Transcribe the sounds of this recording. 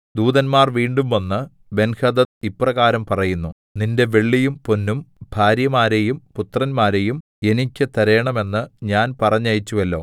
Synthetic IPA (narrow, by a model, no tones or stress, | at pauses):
d̪uːðɐnmaːrʋiːɳɖumʋɐnːɨ | be̞nhɐd̪ɐtiprɐɣaːɾɐmpɐrɐjunːu | ninde̞ʋeɭːijumpo̞nːumbʱaːɾjɐmaːɾejumput̪rɐnmaːɾe̞jum | e̞nikʲːɨt̪ɐɾe̞ːɳɐme̞nːɨɲaːnpɐrɐɲːɐjit͡ɕːuʋɐlːo̞̰ː